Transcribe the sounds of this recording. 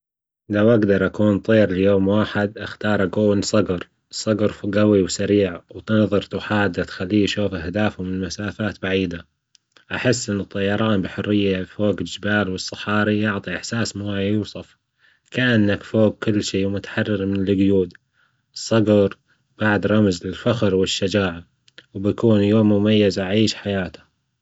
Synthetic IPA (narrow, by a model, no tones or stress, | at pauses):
lawʔaɡd̪ɑɾˤʔakuːnt̪ˤiːɾljoːmwaːħɪd̪ʔaxt̪ɑːɾˤʔakuːnsˤɑɡɾ | sˤɑɡɾɡawiwsaɾiːʕwt̪ɪnðˤɨɾt̪ʊħaːd̪ːat̪xalːiːʃuːfʔahd̪aːfʊmɪnɪmasaːfaːt̪baʕiːd̪a | ʔaħɪsːʔɪnːɨt̪ˤːɑjɑɾˤɑːnbɪħʊrːɪjːafoːɡɪd͡ʒɪbaːlwɨsˤːɑ̥ħɑːɾijʊʕt̪ˤiʔaħsaːsmʊajuːsˤɑf | kaʔanːakfoːɡ̚kʊlːʃiːmʊt̪ḁħɑrˤːɪɾmɪnɪlɪɡjuːd̪ | sˤːɑɡɑɾ | b̥aʕd̪ɾˤɑmzɪlfaxɾwɪʃːad͡ʒaːʕa | wbjakuːnjoːmːʊmajːazʔaʕiːʃħajaːt̪ḁ